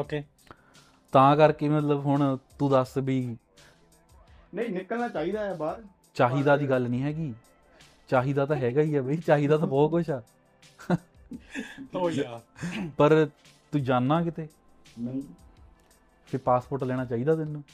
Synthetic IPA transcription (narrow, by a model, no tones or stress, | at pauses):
oːkeː | t̪ãːkəɾkeːmət̪ləbɦʊɳt̪ũːd̪əsbʱiː | nəĩːnɪkəlnaːt͡ʃaːiːd̪aːɛːbat | t͡ʃaːɦiːd̪aːd̪iːɡəlnĩːɦɛːɡiː | t͡ʃaːɦiːd̪aːt̪ãːɦɛːɡəiːɦɛːbəiːt͡ʃaːɦiːd̪aːt̪ãːbɔːt̪kʊʃʰɛː | oapəɾ | t̪ũːd͡ʒaːnːaːkɪt̪eː | pʰɪɾpaːspoɾʈlɛːɽ̃aːt͡ʃaːiːd̪aːt̪ɪnːũː